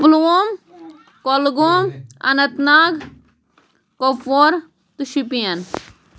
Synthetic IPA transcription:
plom | kolɡomɐ̰nɐt̪naːɡ | kofoːɾ | t̪uʃipijɐn

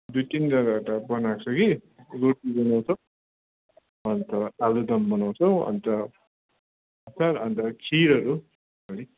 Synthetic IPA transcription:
d̪ujt̪indʌɾaʈʌbʌnakt͡sʰʌki | ɾoʈibʌnaw̃t͡sʰʌw | ʌnt̪ʌalud̪ʌmbʌnaw̃t͡sʰʌw̃ʌ̰nt̪ʌ | ʌsʰaɾʌnt̪ʌkʰiɾʌɾu | ʌli

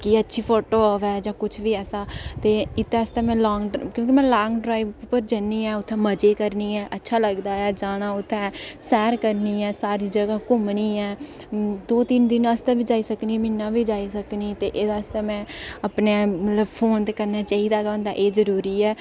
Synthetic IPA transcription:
kiətːʃʰiːpʰoːʈoːʋɛːd͡ʒãːkʊt͡ʃʰʋiːɛːsaːt̪eːɪt̪ːeːəst̪ẽːmɛ̃ːlɔːŋɡɖkjõːkimɛ̃ːlaːŋɡɖɾaːiːbpəɾd͡ʒəniːɛ̃ːʊt̪ʰːɛ̃ːməd͡ʒeːkəɾniːɛːʔətːʃʰaːləɡd̪aːɛːd͡ʒaːɽ̃aːʊt̪ʰːɛ̃ːsɛːɾkəɾniːɛːsaːɾiːd͡ʒəɡaːkʊmniːɛː | d̪oːt̪ɪnd̪ɪnãst̪ɛ̃ːbʱiːd͡ʒaːiːsəkniːmɪnːãːʋiːd͡ʒaːisəkniːt̪eːʔeːd̪aːst̪ɛ̃ːmɛ̃ːəpneːmət̪ləbpʰoːnt̪eːkəɾnaːt͡ʃaːiːd̪aːkːʊ̃nd̪aːʔeːzəɾuːɾiːɛː

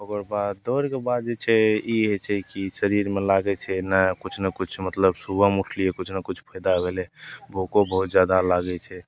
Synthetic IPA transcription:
okəɾbad̪d̪ɔɾkebad̪̚d͡ʒet͡ʃʰɛiɦet͡ʃʰɛkisəɾiɾmelaɡɛt͡ʃʰɛnakut͡ʃʰnekut͡ʃʰmət̪ləbsubəmuʈʰliekut͡ʃʰnakut͡ʃʰpʰəjd̪abʱelɛbʱokobəɦut̪̚d͡ʒjad̪alaɡɛt͡ʃʰɛ

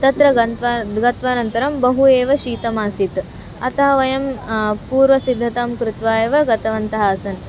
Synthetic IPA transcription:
t̪ɐt̪ɾɐɡɐʋɡɐt̪ʋaːnɐnt̪ɐɾɐmbɐɦueːʋɐʃiːt̪ɐmaːsit̪ | ɐt̪ɐɦɐʋɐjɐmpuːɾʋɐsid̪ʱːɐt̪aːmkɾut̪ʋaːjɐʋɐɡɐt̪ɐʋɐnt̪ɐɦaːsɐn

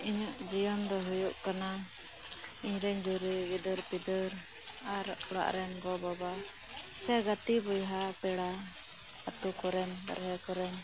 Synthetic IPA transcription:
iɲuʔd͡ʒijɔmd̪ɔɦujuʔkana | iɲɾɛɲd͡ʒuɾiɡid̪əɾpid̪əɾ | aɾɔɽa̰ʔɾɛnɡɔbaba | sɛɡat̪ibujɦapɛɽa | at̪ukɔɾɛnba̰ɾɦɛkɔɾɛɲ

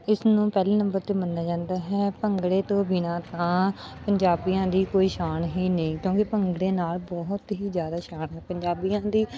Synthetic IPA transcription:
ɪsnũːpɛːliːnə̃mbəɾt̪eːmənːaːd͡ʒãːnd̪aːɦɛːpəŋɡɽeːt̪õːbɪnãːt̪ãːpəɲd͡ʒaːbijãːd̪iːkoːiːʃaːnɦiːnəĩːkjõːkɪpəŋɡɽeːnaːlbɔːɦʊt̪ɦiːzjaːd̪aːʃaːnɦɛːpəɲd͡ʒaːbijãːd̪iː

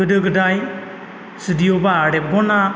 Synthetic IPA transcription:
ɯdɯɡɯdaj | sɯdijɔbaːɽɛp̚ɡɔna

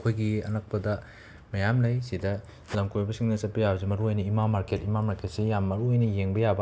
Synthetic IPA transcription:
kʰojɡiɐ̰nɐk̚pɐdɐ | mɐjamlɐjsidɐ | lɐmkʰojbɐsiŋnɐsɐt̚pɐjabzimɐɾuojnɐimamaɾketimamaɾkʰet̚sijamːɐɾuojnɐjeŋbɐjabɐ

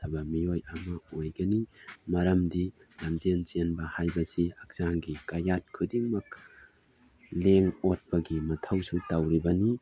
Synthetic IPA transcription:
tʰɐbɐmiojɐmɐojɡɐnimɐɾɐmdi | lamzenzenbɐhajbɐsiɐk̚saŋɡikajat̚kʰɯdiŋmɐk̚ | leŋot̚pɐɡimɐtʰɐwsutawɾibɐni

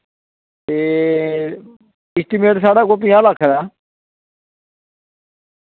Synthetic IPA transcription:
eː | ɪsʈiːmeːʈsaːɽaːkoːpĩjãːlaːkʰeɾaː

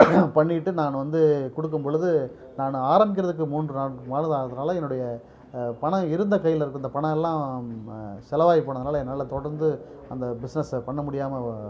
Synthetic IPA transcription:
pɐɳːɪʈːɯnaːnʋɐnd̪ɯkɔɽɯk̬ːɯmpɔɭɯðɯ | naːnaːɾɐmbɪk̬ːɪɾɐðɯk̬ːɯmuːndrɯnaːmaːnɯðaːɐðɐnaːlɐɛnːɯɽɐjɐ | pɐɳɐ̃ɪɾɯnd̪ɐkɐjːɪlɪɾɯkːɯɐnd̪ɐpɐɳɐ̃ɛlːãː | sɛlɐʋaːjipːoːɳɐðɐnaːlɐnːɐlːɐt̪ɔɽɐɾnd̪ɯɐnd̪ɐbɪsnɛspɐɳːɐmʊɽɪjaːmɐ

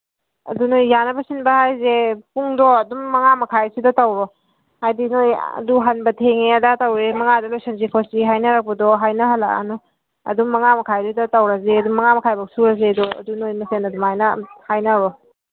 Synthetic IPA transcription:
ɐ̰dunojːanɐbɐsinbɐhajzepuŋdɔɐduŋːɐŋamɐkʰajsidɔtawɾɔ | hajdinojɐ̰duɦɐnbɐtʰeŋeɐdatawɾemɐŋadalojsenzikʰɔsiɦajnɐɾak̚bɐdɔɦajnɐɦɐla̰a̰nɔ | ɐ̰duŋːɐŋamɐkʰajɾidɔtawɾɐzeɐduŋmɐŋamɐkʰajbɐksuɾɐzedɔɐ̰dunojmɐsenɐdumhajnɐhajnɐɾɔ

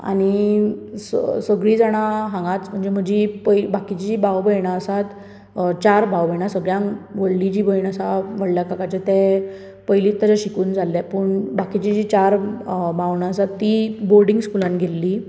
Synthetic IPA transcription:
a̰ɽ̃i | ssəɡɭĩd͡zaɽ̃aɦãŋɡat͡sm̤əɳd͡zem̤əɳd͡ʑipəbakit͡ɕid͡ʑiːbʱawbəjɳaəsat̪ | t͡ɕaɾbʱawbəjɳasəɡɭjãŋʋoɭlid͡ʑiːbəjɳasaʋəɽljakakat͡ɕet̪ɛ | pəjliːt̪ːat͡ɕaɕikuːnd͡zʱalːapəɳbakit͡ɕid͡ʑit͡ɕaɾbaʋɳaəsat̪ːiboɾɖĩŋɡskulanɡʱelːi

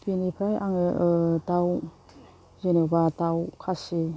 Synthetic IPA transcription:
pinipʰɾajʔa̰ŋɯtaw | zenebatawkʰasi

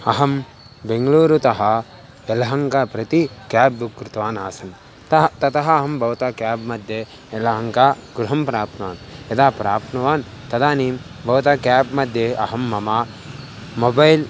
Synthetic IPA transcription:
ɐɦɐm | beŋɡɐluːɾut̪ɐɦɐ | elɐɦɐŋkapɾɐt̪ikaːbːukɾɪt̪ɐʋaːnaːsɐn | t̪ɐt̪ɐt̪ɐɦɐɐɦɐmbʱɐʋɐt̪ɐkjaːbmɐd̪ʱjeː | lɐɦɐŋkaːɡɾuɦɐmpɾaːp̪nɐʋaːned̪aːpɾaːpnɐʋaːn | t̪ɐd̪aːniːmbɐʋt̪ɐkaːbmɐd̪ʱjeʔɐ̰ɦɐmːɐma | mobɐjl

